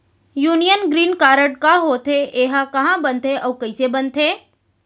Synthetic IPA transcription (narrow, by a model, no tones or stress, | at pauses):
juːnijənɡɾiːnkaːɾəʈkaɦoːt̪ʰeʔeːɦãkɐɦãbɐnt̪ʰeʔɔːkɐisebɐ̃nt̪ʰeː